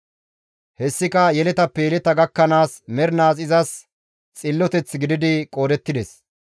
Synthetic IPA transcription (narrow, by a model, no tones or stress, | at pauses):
hɛsːɪkɐjɛlɛt̪ɐpːɛjɛlɛt̪ɐɡɐkːɐnaːsmɛɾnaːs̬ɪzɐs | t͡sʼɪlːɔt̪ɛt͡sːɡɪd̪ɪd̪ɪkʼo̞ːd̪ɛt̪ːɪd̪ɛs